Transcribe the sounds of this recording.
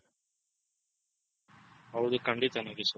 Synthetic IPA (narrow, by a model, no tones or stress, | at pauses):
ɐwd̪ukɐɳɖit̪ɐnɐɡis